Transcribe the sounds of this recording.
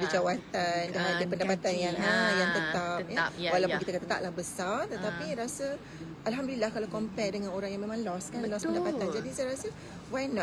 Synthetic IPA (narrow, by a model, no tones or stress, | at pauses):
dəd͡ʒawat̪andaɦadəpəndapat̪anjaŋajaŋt̪ət̪ap̚jawalawppunkit̪akat̪at̪a̰ʔ̚lahbəsart̪ət̪apiaɾasə | ʔalɦamdulilahkalawkɔmpɛk̚dəŋanoɾaŋjãŋmẽmãŋlɔskanlɔspənndapatand͡ʒadisajɾasə | wajnɔ̃